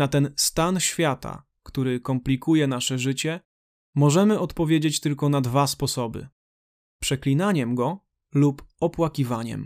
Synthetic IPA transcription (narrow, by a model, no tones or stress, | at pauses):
nat̪ɛnst̪anɕfʲjat̪a̰ | kt̪uɾɘkɔmplʲikujɛnaʂɛʐɘt͡ɕɛ | mɔʐɛmɘɔt̪pɔvʲjed͡ʑet͡ɕt̪ɘlkɔnad̪vaspɔsɔbɘ̰ | pʂɛklʲinaɲɛmɡɔ | lupɔpwakʲivaɲɛ̰m